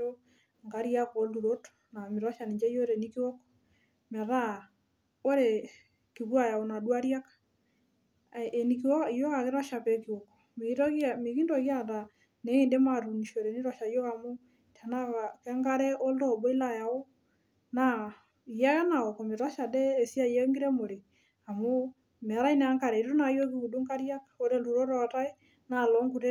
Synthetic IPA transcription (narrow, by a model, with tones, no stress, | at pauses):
o˦ | ŋɡa˦ɾja˦ko˨˦lu˨ɾo˦t | na˨mɪ˨ɾwa˦ʃa˨ni˨ɲd͡ʒɛ˦jo˦ɾe˨ni˦ki˦wo˦kɔ̥ | mɛ˨ɾa˦ | o˦ɾe˨ | ki˨ɣwa˨ja˨o˨na˨dwa˦ɾja˦k | ni˦kɔ˦jo˦ka˨kɪ˦ɾɔ˦ʃa˨pɛ˨ki˨wo˨kɔ̥˨m˦me˨ki˦ndɔ˨ɣja˦˨ta˨ | ne˦ɣe˦nde˦ma˨ɾu˨ni˨ʃo˨ɾe˨ni˦ɾɔ˨ʃa˨jo˦ka˨mo˦ | ta˨naaka˦ŋɡa˦ɾɛ˦ʔo˦ldɔ˦˨bɔ˦i˦la˦˨ja˨o˦ | na˨ | ja˦ɣa˦na˨ɣɔ˨kɔ˨me˨ɾa˦ʃa˨dɛː˦˨si˦a˦jɛ˦ŋɡi˦ɾɛ˦mo˨ɾe˨ | a˨mo˦ | mɛ˨a˨ɾa˦i˦nɛ˨a˦ŋka˨ɾɛ˨i˨tu˦na˨jo˦kiku˨du˦ŋka˦ɾja˦kḁo˦ɾe˦˨lu˨ɾo˦ɾɔ˨ta˦e˦ | na˨lɔ˦ŋɡu˨ɾe˦